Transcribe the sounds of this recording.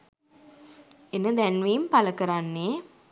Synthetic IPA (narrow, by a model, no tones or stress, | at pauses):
enəd̪ænʋejmpaləkəɾanːeː